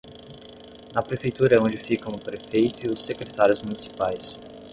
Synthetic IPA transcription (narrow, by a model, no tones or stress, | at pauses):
nɐpɾefejt̪uɾɐɛõd͡ʒɪfikɐ̃w̃ʊpɾefejt̪ʊɪʊsːekɾet̪aɾjʊzmunisi̥pajs